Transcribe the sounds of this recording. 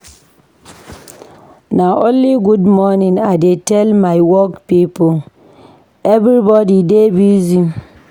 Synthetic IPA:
naʔõnliɡudmɔnĩŋadetɛlmaɪwɔkpipo | ɛvɾibɔdidebizi

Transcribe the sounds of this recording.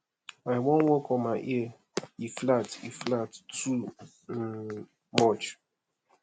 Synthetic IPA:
aɪwõn̩wokɔmaɪʔi | iflatḭflattu | n̩ | mɔt͡ʃ

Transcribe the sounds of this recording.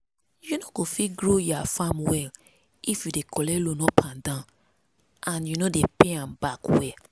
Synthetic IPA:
junoɡofiɡɾojuafamwɛl | ifjudekɔlɛlonɔ̃pʰãndã | ãnjunodepeãmbakwɛ

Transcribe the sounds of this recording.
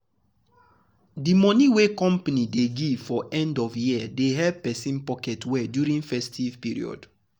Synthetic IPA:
dimɔ̃niwekɔ̃mpanideɡifɔʔɛ̃ndɔvjiadeɦɛpɛsĩnpɔkɛtwɛdjuɹĩŋfɛstivpiɹḭɔ̰d̥

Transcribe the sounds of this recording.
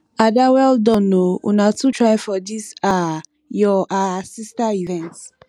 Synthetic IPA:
adawɛldɔ̃nːoṵnatutʰɹajfɔdisa | jɔʔasistaivɛ̃nts

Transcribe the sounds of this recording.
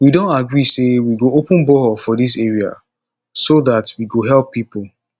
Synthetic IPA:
widõntaɡɹisewiɡoopə̃nbɔfɔðis̬eɹia̰ | soðatwiɡoɦɛlpːipol

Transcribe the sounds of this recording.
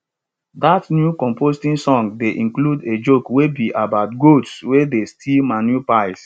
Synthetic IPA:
datnjukɔ̃mpostĩnsɔ̃ŋɡdeʔĩŋkluded͡ʒokwebiʔabaʊtɡotswedestʰilmãnjupaɪs

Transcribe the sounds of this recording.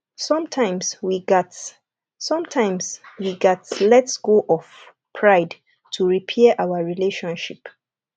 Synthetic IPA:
sɔ̃mtʰãɪ̃mswiɡɛt | sɔ̃mtʰãɪ̃mswiɡɛtlɛtsɡ̥oʔɔf | pʰɹaɪd | tʰuɹipʰɛʔawaɹileʃɔ̃nʃip

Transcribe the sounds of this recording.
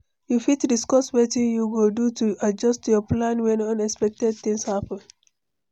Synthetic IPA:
jufitdiskɔswetĩnjuɡodutuad͡ʒʌstjɔplãnwɛ̃nʌ̃nɛkspɛk̚tɛd̚θĩŋshapə̃n

